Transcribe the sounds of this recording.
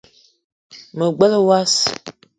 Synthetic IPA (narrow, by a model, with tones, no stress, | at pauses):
mə˨ɡ͡bə˦lə˦wa˦s